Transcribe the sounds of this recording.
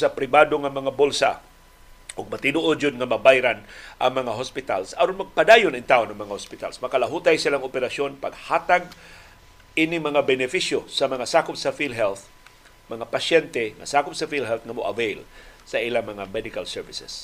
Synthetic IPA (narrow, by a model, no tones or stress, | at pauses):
sapɾɪbad̪oŋamɐŋabolsa̰ | ʔʊɡ̚mat̪ɪnoʔod͡ʒʊd̪ŋamɐbajɾanʔaŋmɐŋaɦospɪt̪alsɐɾonmɐɡ̚pad̪ajʊnɪnt̪aʔonɐŋmɐŋahospɪt̪a̰lsmɐkalaɦut̪ajsilaŋopɛɾasonpaɡ̚haːt̪aɡ̚ | ʔinɪŋmɐŋabɛnɪfiʃjosamɐŋasakʊpsafilɦɛlθ | mɐŋapaʃjɛnt̪ɛŋa̰sakʊp̚safilɦɛlθŋamʊʔa̰vejlsaʔilaŋmɐŋamɛd̪ɪkalsɛɹvɪsɛs